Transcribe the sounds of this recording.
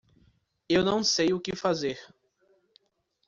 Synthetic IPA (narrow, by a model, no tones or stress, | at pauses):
ewnɐ̃w̃sejʊkɪfazeɾ